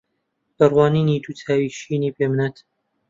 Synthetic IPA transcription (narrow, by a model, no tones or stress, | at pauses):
b̥ɐrwɑːniːnid̪ut̪ʰaːwiʃiːniːbeːmnat̪